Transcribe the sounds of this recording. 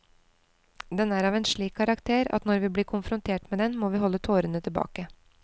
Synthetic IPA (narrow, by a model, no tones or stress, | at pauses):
d̪ɛnæːɾɑːʋɛːnʂɭiːkʰːɑɾɑkt̪ʰeːɾɑ̰t̪nɔɾʋiːbliːɾkʰʊnfɾʊnt̪ʰeːʈmeːd̪ɛnmoːʋiːɦɔlːət̪ʰoːɾənət̪ʰɪlbɑ̰ːkə